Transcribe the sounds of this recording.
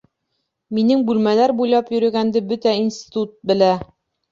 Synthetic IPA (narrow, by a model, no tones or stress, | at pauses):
minɘŋbʉlmælæɾbujlˠɑpjɵ̆ɾɵ̆ɡænd̪ɘbɵt̪æinsʲt̪ʲi̥t̪ut̪̚bɘ̆læ